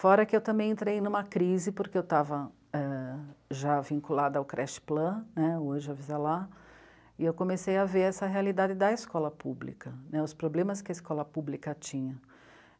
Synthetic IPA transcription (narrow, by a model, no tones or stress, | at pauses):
fɔɾɐkɪewt̪ɐ̃mbẽj̃ẽnt̪ɾejnũmɐkɾizɪpoɾkeewt̪avɐ | ɛʒavĩkulad̪ɐaʊkɾʔɛʃɪ̥plɐ̃nɛoʒɪavizala | ɪewkõmesejɐveɾɛsɐɦealid̪ad͡ʒɪd̪ɐɪskɔlɐpublḭkɐnɛʊspɾoblẽmɐskɪɐɪskɔlɐpublikɐt͡ʃĩɲɐ